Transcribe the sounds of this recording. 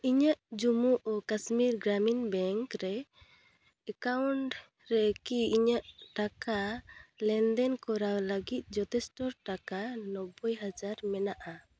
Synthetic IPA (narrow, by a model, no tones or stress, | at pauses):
iɲaʔd͡ʒumuʔɔkasmiɾɡɾaminbɛŋkɾɛ | ɛkawɳʈ | ɾɛkiiɲaʔʈakalɛnd̪ɛnkɔɾawləɡit̪̚ˀd͡ʒɔt̪ɛsʈɔɾʈakanɔbɔjɦad͡ʒaɾmɛnaʔa